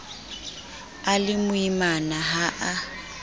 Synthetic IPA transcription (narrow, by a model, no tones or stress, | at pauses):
alɪmʊimanaɦaʔa